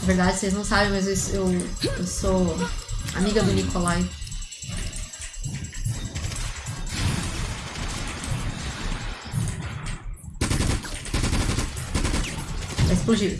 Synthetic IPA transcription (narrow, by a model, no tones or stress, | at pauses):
ɐveɾd̪ad͡ʒɪselɪznɐ̃w̃sabẽj̃mɐzesewewso | a̰miɡɐd̪ʊnikʰolaj | ɛɪsplud͡ʒiv